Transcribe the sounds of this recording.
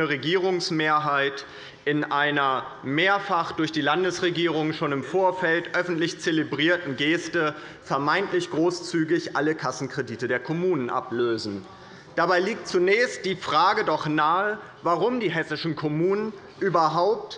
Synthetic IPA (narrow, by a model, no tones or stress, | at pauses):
əʁeɡiːʁʊŋsmeːɐɦaɪt | ʔɪnʔaɪnɐmeːɐfaχd̥ʊɐçd̥iːlandəsʁeɡiːʁ̞ʊŋʃoːnɪmfoːɐfɛltʔœfn̩tlɪçt͡selebʁiːɐtn̩ɡeːstə | fɛɐmaɪntlɪçɡ̥ʁoːst͡syːɡɪçʔaləkʰasn̩kʁ̥ediːtədeːɐkʰɔmuːnənʔa̰pløːzn̩ | d̥abaɪliːk̚tt͡sunɛːst̚d̥iːfʁ̥aːɡədɔχnaːə | vaʁʊmdiːɦɛsɪʃn̩kʰɔmuːnən | ʔyːbɐɦaʊp̚t